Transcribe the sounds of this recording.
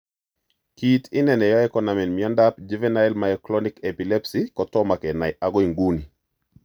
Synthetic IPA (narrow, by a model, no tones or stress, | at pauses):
kitɪnɛnɛjɔɛkɔnamɛnmiɔndap̚d͡ʒivɛnaɛlmajɔklɔnikɛpilɛpsikɔtɔmakɛnaɪʔaɡɔiŋɡuni